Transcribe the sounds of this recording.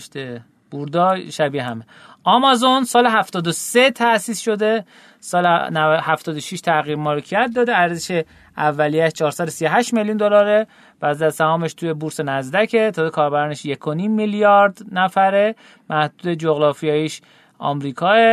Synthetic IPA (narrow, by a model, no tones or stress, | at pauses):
ʃt̪e | b̥uɾd̪ɒːʃæbiɦæme | ʔɒmɒzonsɒːleɦæft̪ɒːd̪oset̪ʰæʔsiːsʃo̞d̪e̞ | sɒːlhæft̪ɒːd̪oʃiʃt̪ʰæɣiɾmɒːlecʰiæt̪̚d̪ɒːd̪eæɾzeʃe | ævːælijæʃt͡ʃʰɒːɾsæd̪osijo̞ɦæʃt̪me̞ljund̪o̞lɒːɾe | væzæsæhɒːmeʃt̪ʰujebuɾse̞næzd̪æcʰet̪ʰɒːzekʰɒːɾbæɾɒːne̞ʃje̞kʰo̞nimːiljɒɾd̪næfæɾe | mæhd̪̥uːd̪ed͡ʒoɣɾɒːfijɒːjiʃ | ʔɒ̰ːmɾiːkʰɒːe